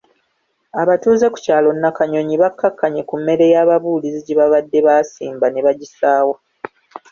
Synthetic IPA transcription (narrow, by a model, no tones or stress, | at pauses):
aβatuːze̞ku̥caːlo̞nːakaɲo̞ɲiβakʰːakːaɲe̞kumːe̞ɾe̞jaːβaβuːliziɟiβaβadːe̞βaːsiːmbane̞βaɟisaːwa